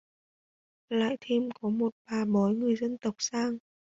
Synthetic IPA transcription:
la̰ː˧˨jt̪ʰe˧mkɔ˨˦mo˨˩t̚ɓaː˨˩ɓɔ˨˦jŋɨ˨˩əjzə˧nt̪ə˨˩wk͡p̚saː˧ŋ

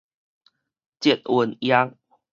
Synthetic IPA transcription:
t͡ɕɛ˨t̪̚wə˨nja˦ŋ

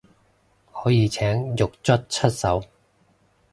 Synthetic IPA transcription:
hɔː˨˥jiː˨˧t͡sʰɛː˨˥ŋjʊ˨k̚t͡sɵ˥t̚t͡ʃʰɵ˥t̚sɐ˨˥w

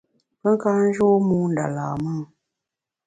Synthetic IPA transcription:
pə˦ŋ˦ka˦n̩˦d͡ʒo˦mu˦n˨da̰˨laː˨ma˦ŋ

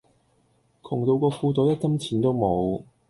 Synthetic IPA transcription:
kʰʊ˨˩ŋt̪o˧wkɔː˧fuː˧t̪ɔː˨˥t̪ɛ˥kɐ˥mt͡sʰiː˨˥nt̪o˥wmo˨˧w

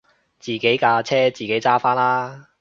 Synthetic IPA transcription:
t͡siː˨˩ke˨˥jkaː˧t͡sʰɛː˥t͡siː˨˩ke˨˥jt͡saː˥faː˥nlaː˥

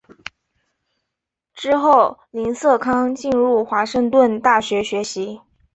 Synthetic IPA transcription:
ʈ͡ʂɻ̩˥xo˥˩ʊli˧˥nsɤ˥˩kʰɑ˥ŋt͡ɕi˥˧nɻu˥˩xwa˧˥ʂɤ˥˧ŋt̪wə˥˧nt̪a˥˩ɕɥɛ˧˥ɕɥɛ˧˥ɕi˧˥

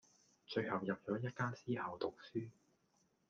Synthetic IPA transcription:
t͡ʃɵ˧ɥhɐ˨wjɐ˨p̚t͡ʃɔː˨˥jɐ˥t̚kaː˥siː˥hɐ˨˧wt̪ʊ˨k̚syː˥

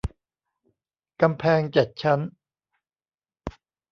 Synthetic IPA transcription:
ka˧mpʰɛː˧ŋt͡ɕe˨˩t̪̚t͡ɕʰa˦˥n

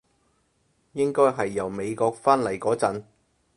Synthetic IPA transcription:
jɪ˥ŋkɔː˥jɦɐ˨jːɐ˨˩wme˨˧jkɔː˧k̚faː˥nlɐ˨˩jkɔː˨˥t͡sɐ˨˥n

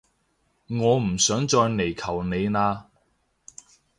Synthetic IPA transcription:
ŋɔː˨˧m̩˨˩sœː˨˥ŋt͡ʃɔː˧jne˨˩jkʰɐ˨˩wne˨˧jnaː˧

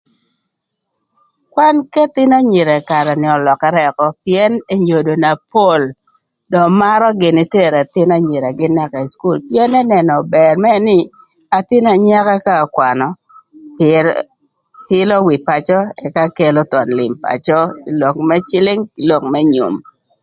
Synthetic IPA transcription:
kwa˦nkɛ˦t̪ɪ˦na˦ɲi˨ɾɛ˨ka˨ɾɛ˨nɪ˨ɔ˨lɔ˨ka˨ɾɛ˨kɔ˨pjɛ˦ne˦ɲo˨do˨na˨po˦˨l | dɔ˨ma˦ɾɔ˦ɡɪ˨nɪ˦te˦˨ɾɛ˨t̪ɪ˦na˦ɲi˨ɾa˨ɡɪ˦na˦˨ka˨i˨sku˦lpjɛ˦nɛ˦nɛ˨nɔ˨bɛ˨rmɛ˦nɪ˦ | a˨t̪ɪ˦na˨ɲa˦ka˦ka˦˨kwa˨nɔ˨ | hɪ˦lɔ˦wɪ˨pa˨t͡ʃɔ˦ɛ˨ka˦ke˦lo˦t̪ɔ˨nlɪ̰˨mpa̰˨t͡ʃɔ˦i˨lo˨kmɛ˦t͡ʃɪ˦lɪ˦ŋɪ˨lo˨kmɛ˦ɲṵ˨m

